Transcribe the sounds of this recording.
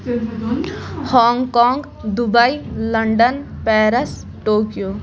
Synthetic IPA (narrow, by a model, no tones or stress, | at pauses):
hɔːŋɡkɔːŋɡ | d̪ubɐilɐɳɖən | pɛːɾɐs | ʈoːkijoː